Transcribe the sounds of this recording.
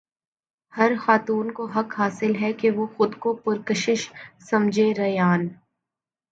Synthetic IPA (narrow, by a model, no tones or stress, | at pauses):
hɐɾxaːt̪uːnkoɦɐkɦaːsɪlɦɛkeʋoxʊd̪kopʊɾkəʃɪʃsɐ̃md͡ʒʱeɾɐjaːn